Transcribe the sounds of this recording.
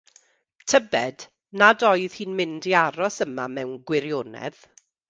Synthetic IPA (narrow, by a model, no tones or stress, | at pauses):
tʰəbɛd | nadɔɨð̥hiːnmɪndiaɾɔsəmamɛwnɡwɪɾjoːnɛ̰ð̥